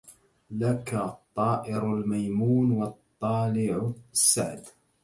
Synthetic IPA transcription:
lakat̪ˤːɑːʔɪɾalmajmuːnwɑt̪ˤːɑːlɪʕsːaʕd̪

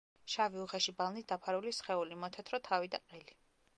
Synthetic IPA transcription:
ʃaviuχɛʃibalˠnit̪̚d̪apʰaɾulisχɛulimɔt̪ʰɛt̪ʰɾɔt̪ʰavid̪aqʼɛli

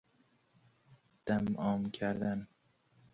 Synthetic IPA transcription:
d̪̥æmɒːmkʲʰæɾd̪æn

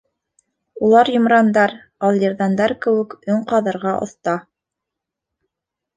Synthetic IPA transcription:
ulˠɑɾjŏmɾɑnd̪ɑɾ | ɑlˠjɤɾðɑnd̪ɑɾkɘ̆wɘ̆kɵɴqɑðɤ̆ɾʁɑʔŏ̰θt̪ɑ

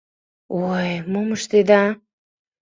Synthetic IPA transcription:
ojmoməʃt̪ed̪ɑ

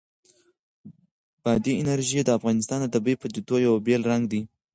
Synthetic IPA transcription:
b̥ɑd̪iɪnaɾʒid̪əafɣɑnɪst̪ɑnd̪əd̪abəpəd͡ʒ̪it̪ojawabelɾaŋɡd̪i

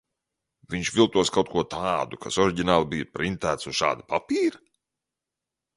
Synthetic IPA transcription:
vʲiɲʃvʲilˠt̪uɔskawt̪̚kuɔt̪ʰaːd̪ukʰasɔɾiɟinaːlˠbijapɾint̪æːt̪suz̥ʃa̰ːd̪apapiːɾa

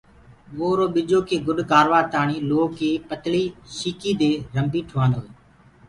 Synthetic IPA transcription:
ʋoːɾoːɓɪd͡ʒoːkʰeːɡʊɗkaːɾʋaːt̪aːɳiːloːkeːpət̪liːʃiːkiːd̪eːɾəmbiːʈʰʊʋãːnd̪oːeː

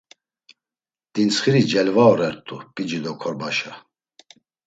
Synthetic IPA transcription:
d̪̥insχiɾid͡ʒɛlvaɔɾɛɾt̪ʼupʼid͡ʒid̪ɔkʰɔɾbaʃa

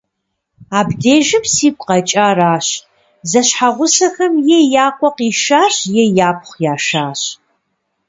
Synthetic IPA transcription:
aːbdeːʒɪmsiːkʷʼqɐt͡ʃʼaːraːɕ | zɐɕħaʁʷʊsɐxɐmjejaːqʷʼɔqiːʃaːɕjɛjaːp̚ʰχʷjaːʃaːɕ

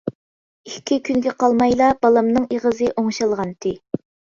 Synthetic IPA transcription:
ikʲʰːikʲʰynɡʲɛqɑlˠmɑjlˠɑbɑlˠɑmnɨŋeʁəzɨʔoŋʃɑlˠʁɑnt̪ʰɪ

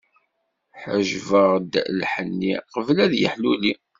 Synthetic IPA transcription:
ħə̰ʒvəʁd̪lħənːiqəvlæðjə̰ħluli

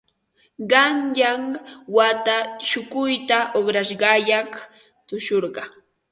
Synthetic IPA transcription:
ɢɑnjaŋwat̪aʃʊkʊjt̪aʔoχɾaʃɢɑjɑχ | t̪ʊʃoɾɢɑ

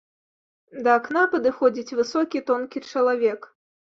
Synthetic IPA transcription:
d̪ɐːknapɐd̪ɨxɔd͡zʲit͡sʲvɨsɔkʲit̪ɔnkʲit͡ʂɐlˠavʲɛk

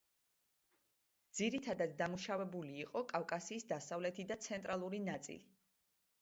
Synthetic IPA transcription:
d̪ziɾit̪ʰad̪at̪d̪amuʃavɛbuliːqʼɔkʼafkʼasiːsd̪asavlɛt̪ʰid̪at̪sʰɛnt̪ʼɾʔalˠuɾinat̪sʼḭli

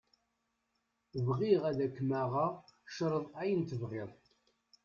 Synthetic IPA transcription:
vʁiʁæðækːmæʁɑʃɾˤəðˤæjənt̪əvʁɪðˤ

